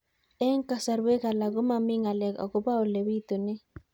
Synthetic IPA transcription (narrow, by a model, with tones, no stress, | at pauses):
ɛ˦ŋka˨sa˨ɾwe˦ɡa˨la˨ɡo˦ma˦mɪ˦ŋa˨lɛ˨kɔ̰˨ɡo˨˦ba˦o˨le˨wi˦t̪o˨nɛ˦